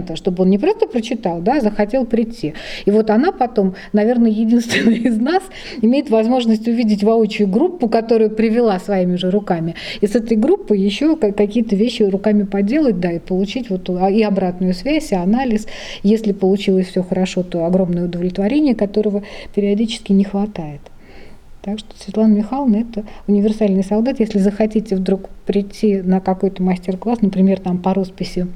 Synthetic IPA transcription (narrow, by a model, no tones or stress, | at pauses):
t̪əʂt̪o̞bəo̞nnʲɪpɾo̞st̪əpɾət͡ɕɪt̪ɑlˠd̪azəxɐtʲelˠpɾʲɪtʲːiivo̞t̪ɐnapɐt̪o̞m | nɐvʲe̞rnəjɪdʲinst̪vʲɪnːɨjɪznas | ɪmʲejɪt̪vɐzmo̞ʐnəsʲtʲʊvʲidʲɪt̬ʲvɐo̞t͡ɕʊjʊɡɾupːʊkɐt̪o̞ɾʊjʊpɾʲɪvʲɪlˠasvɐimʲɪʐɨɾʊkamʲɪisɛt̪əjɡɾupːɨjɪɕːo̞kɐkɐkʲijət̪əvʲeɕːɪrʊkamʲɪpɐdʲe̞lˠət̚ʲd̪aɪpəlˠʊt͡ɕitʲvo̞t̪ɪɐbɾat̪nʊjʊsvʲæsʲɪɐnalʲɪsjesʲlʲɪpəlˠʊt͡ɕilˠəsʲfʲsʲoxəɾɐʂo̞t̪o̞ɐɡɾo̞mnəjəʊd̪əvlʲɪt̪vɐɾʲenʲɪjəkɐt̪o̞ɾəvəpʲɪɾʲɪɐdʲit͡ɕɪ̥skʲɪnʲɪxvɐt̪ajɪt̪ː | akʂt̪o̥svʲɪt̪lˠanəmʲɪxalˠnəɛt̪əʊnʲɪvʲɪrsalʲnɨjsɐlˠd̪at̪jesʲlʲɪzəxɐtʲitʲɪvd̪ɾukpɾʲɪtʲːinəkɐko̞jt̪əmɐsʲtʲɪrklˠasnəpɾʲɪmʲe̞rt̪ampɐɾo̞spʲɪsʲɪ